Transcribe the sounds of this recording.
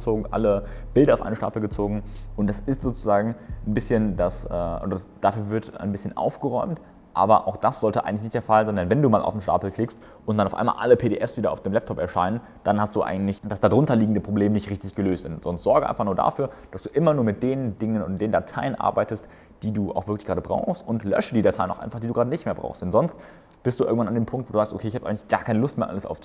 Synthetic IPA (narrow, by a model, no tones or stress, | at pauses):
t͡soːɡŋ̩ʔa̰ləb̥ɪldɐaʊfʔa̰ɪnəʃta̰ːpl̩ɡət͡soːɡŋ̩ʊnt̚d̥asɪstz̥oːt͡suzaːɡŋ̩nbɪsçəndasɛːʔo̰ːdɐad̥afyːɐvɪɐta̰ɪnbɪsçənʔa̰ʊfɡ̥əʁɔʏmt | ʔa̰ːbɐʔaʊxd̥asz̥ɔltəʔa̰ɪɡŋ̩tɪçnɪçtdeːɐfalzndɛnvɛnduːmaːlʔa̰ʊfm̩ʃta̰ːpl̩kʰl̥ɪkst | ʔʊnt̚d̥anaʊʔa̰ɪma̰ːlʔa̰ləpʰeːɾeːʔɛfsv̥iːdɐaʊd̥eːmlɛp̚tʰɔpɛɐʃaɪnən | d̥anhast̚d̥uːʔa̰ɪŋ̩tlɪçd̥asd̥adʁʊntɐliːɡŋ̩dəpʁ̥obleːmənɪçtʁɪçtɪçɡ̥əløːstz̥ɪntz̥ɔnstz̥ɔɐɡəʔa̰ɪnfaχnuːɐda̰fyːɐd̥asd̥uːʔɪmɐnuːɐmɪt̚d̥eːʁəndɪŋənʊnd̥eːndatʰaɪənʔa̰ɐbaɪtəst | d̥iːduːʔa̰ʊxv̥ɪɐklɪçɡ̥ʁaːdəbʁa̰ʊxstʔʊntlœ̰ʃədiːdatʰaɪənaʊʔa̰ɪnfaχd̥iːduːɡʁaːdənɪçtmeːɐbʁa̰ʊstd̥ɛnzɔnst | b̥ɪstd̥uːɪ̰ɐŋ̩tvanandeːmpʰʊŋktvoːduːzaːkstʔo̰kʰeːɪçhabʔaɪŋ̩lɪçɡ̥aːkʰaɪnəlʊstmeːɐʔa̰ləsʔa̰ʊfu